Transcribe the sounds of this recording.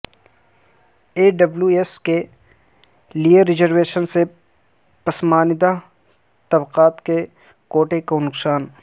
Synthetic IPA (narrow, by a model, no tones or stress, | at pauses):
eːɖɐbljueske | liəɾɪd͡ʒəɾʋeːʃənse | pɐsmaːnɪd̪a | t̪ɐbqaːt̪ke | koːʈekonʊksaːn